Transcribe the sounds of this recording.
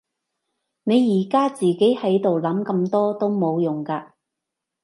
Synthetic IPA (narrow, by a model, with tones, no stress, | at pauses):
ne˨˧jːiː˨˩kaː˥t͡siː˨ke˨˥jhɐ˨˥jt̪o˨wlɐ˨˥mkɐ˧mt̪ɔː˥t̪o˥wmo˨˧wjʊ˨˩ŋkaː˧